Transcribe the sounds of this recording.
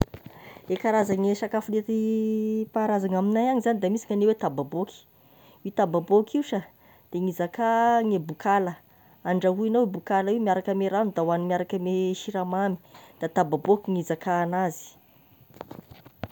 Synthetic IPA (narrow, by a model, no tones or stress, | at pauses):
ekaɾazaŋesakafulet̪ipaɾazaŋaminajaŋizanid̪amisi̥ŋanewet̪ababoki̥ | wit̪ababokiuʃa | d̪̥eŋizakaŋebukʰalə | aɳɖ͡ʐaɦuinowebukalaiwmiaɾakəmeɾanud̪awanumʲiaɾakəmeʃiɾamami̥d̪̥at̪ababokʲiŋizakaːnazi̥